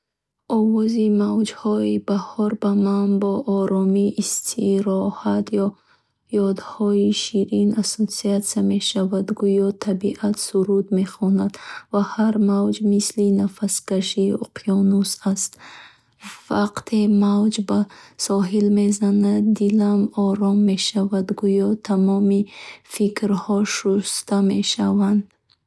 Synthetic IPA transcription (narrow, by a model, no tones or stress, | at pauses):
ɔvɔzimavd͡ʒhɔibahɔɾbamanbɔʔːɾɔmiist̪ʰiɾɔhat̪jɔ | jɔd̪hɔiʃiɾinasosiat̪same̞ʃavad̪ɡujɔt̪ʰabiʔat̪suɾud̪me̞χɔnad̪vahaɾmawd͡ʒmislinafaskaʃiṵqʰiɔnusast̪ | vaqt̪ʰemawd͡ʒbasɔɦilme̞zanad̪d̪ilamɔɾɔmːe̞ʃavad̪ɡujɔt̪ʰamɔmifikʰɾhɔʃust̪ame̞ʃavand̪